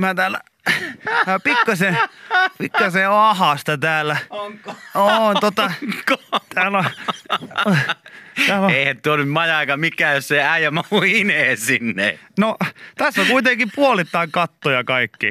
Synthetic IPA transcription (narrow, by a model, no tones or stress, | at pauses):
mæt̪æːlæ̰ | æpikːɑsepikːɑseɑhɑˑst̪ɑt̪æːlːæ | oːnt̪ot̪ɑkt̪æːlo | æeˑihæt̪yøolːymmɑjɑikɑmikːˑæːjosseæijæmɑuiineːsinːḛnot̪æsːækuit̪eŋkipuolit̪ːɑiŋkɑt̪ːojɑkɑikːḭ